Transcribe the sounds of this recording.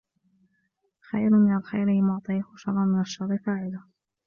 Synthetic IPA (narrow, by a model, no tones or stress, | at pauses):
xajɾmɪnalxajɾɪmʊʕt̪ˤɨjahʃɑɾˤːɑnmɪnaʃːɑɾˤɾˤɨfaːʕɪla